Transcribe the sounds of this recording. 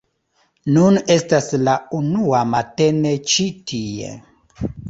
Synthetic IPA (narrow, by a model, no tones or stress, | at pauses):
nune̞staslaunuamate̞net͡ʃitʰiḛ